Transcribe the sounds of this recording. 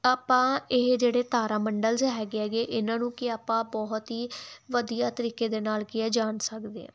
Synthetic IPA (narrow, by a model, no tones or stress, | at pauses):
aːpãːɪɦd͡ʒeːɽeːt̪aːɾaːməɳɖəlzɦɛːɡeɛːɡeːʔɪnãːnũːkɪaːpãːbɔɦt̪ɦiːʋəd̪ijaːt̪əɾiːkeːd̪eːnaːlkɪɛːd͡ʒaːnsəkd̪ḛ̃ː